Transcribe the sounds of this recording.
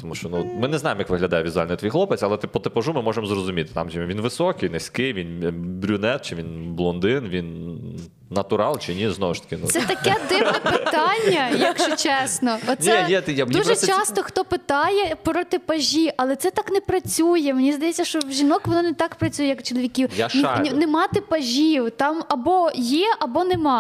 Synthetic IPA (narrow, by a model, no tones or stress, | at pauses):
t̪ɔmuʃt͡ʃɔnumɪnɛznɑjɪmjɐkʋɪɦlʲɐd̪ɑjɛʋʲizʊalʲnɔjt̪ʋʲijxlˠɔpet͡sʲɐlˠɛt̪ɪpɔt̪ɪpɐʒumɪmɔʒemzrɔzʊmʲit̪ɪ̥t̪ɑ̰mʒɛʋʲinʋɪsɔkɪjnesʲkɪjʋʲinbɾʲʊnɛt̪̚t͡ʃɪʋʲinblˠɔnd̪ɪnʋʲinː | ɐt̪ʊɾɑlˠt͡ʃɪnʲiznɔʋʊʃt̪ɐ̥kʲɪnṵsɛt̪ɐkɛd̪ɪʋnɛpɪt̪anʲːɐjɐkʃʊt͡ʃɛsnɔɔt̪nʲijɛjad̪uʒɛt͡ʃt͡ʃɑst̪ɔxt̪ɔpɪt̪ɑjɛpɾɔt̪ɪpɐʒʲiʔɐlˠɛt̪sɛt̪ɑknɛpɾɐt͡sʲujɛmenʲizd̪ɐjɛt͡sʲːɐʃt͡ʃɔwʒʲinɔkʋɔnɑnɛt̪ɑkpɾɐt͡sʲujɛjɐkt͡ʃɔlˠɔʋʲikʲiwjaʃnanɛmɑt̪ɪpɐʒʲiwt̪ɑmɐbɔjɛʔɐbɔnɛmɑ